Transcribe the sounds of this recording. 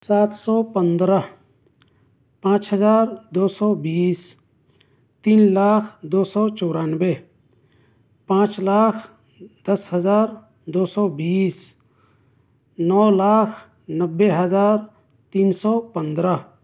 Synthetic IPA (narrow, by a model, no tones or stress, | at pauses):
saːt̪ʰsɔːpənd̪ɾə | pãːt͡ʃɦəzaːɾd̪oːsɔːbiːs | t̪iːnlaːkʰd̪oːsɔːt͡ʃoːɾaːnbe | pãːt͡ʃlaːkʰ | d̪̥ɐsɦəzaːɾ | d̪oːsɔːbiːs | nɔːlaːkʰ | nəbːeɦəzaːɾ | t̪iːnsɔːpənd̪ɾə